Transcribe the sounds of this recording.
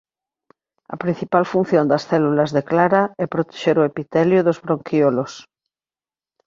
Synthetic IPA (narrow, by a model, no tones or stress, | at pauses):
ɐ̰pɾin̟θipalfun̟θjond̪ɐsθɛlulɐzðeklaɾaɛpɾot̪e̥ʃeɾoepit̪ɛljoðozβɾoŋkiolos